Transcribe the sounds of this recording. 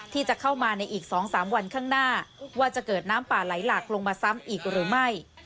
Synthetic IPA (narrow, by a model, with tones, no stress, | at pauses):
t̪ʰiː˥˩t͡ɕa˨˩kʰa˥˩wmaː˧na˧jʔiː˨˩k̚sɔː˩˦ŋsaː˩˦mwa˧nkʰaː˥˩ŋnaː˥˩waː˥˩t͡ɕa˨˩kɤː˨˩t̪̚naː˦˥mpaː˨˩la˩˦jlaː˨˩k̚lo˧ŋmaː˧sa˦˥mʔiː˨˩k̚ɾɯː˩˦ma˥˩j